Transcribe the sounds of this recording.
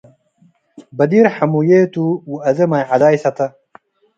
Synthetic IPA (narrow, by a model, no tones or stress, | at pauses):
bɐd̪iɾħamujeːt̪uwuɐzɐmajʕad̪aːjsɐt̪ɐ